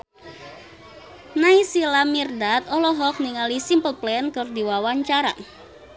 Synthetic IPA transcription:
naisilamirdat̪ɔlɔɦɔk̚niŋalisimpəlplɛnkɔrd̪iwawaɲt͡ʃaɾa̰

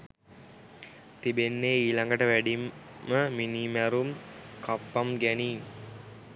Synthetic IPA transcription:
t̪ibenːeːiːlaŋɡəʈəʋæɖimːəminimæɾumkʰapːamɡæniː

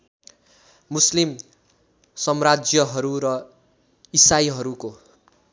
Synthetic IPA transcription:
muslim | sʌmrad͡zjʌɦʌɾuɾʌ | isaiɦʌɾuko

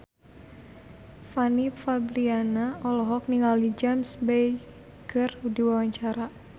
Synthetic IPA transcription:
fanifabɾianaɔlɔɦɔk̚niŋalid͡ʒamsbej | kɨrudiwawaɲt͡ʃaɾa

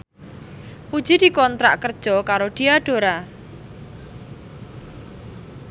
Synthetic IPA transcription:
pud̥ʒ̥id̪̥i̤kɔnt̪ɾa̰ʔkərd̥ʒ̥ɔkaɾoɖ̪̥iaɖ̥o̤ɾa

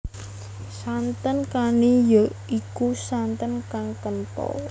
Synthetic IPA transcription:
sant̪ənkanijoikusant̪ənkaŋkənpɔ̰

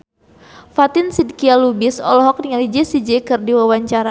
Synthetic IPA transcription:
fat̪ɪnsid̚kialubisɔ̰lɔɦɔk̚diŋalid͡ʒesid͡ʒekɨrdiwawaɲt͡ʃaɾa

